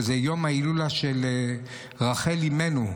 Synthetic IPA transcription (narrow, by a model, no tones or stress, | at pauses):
zejomhailulaʃele | ʁaχelimenu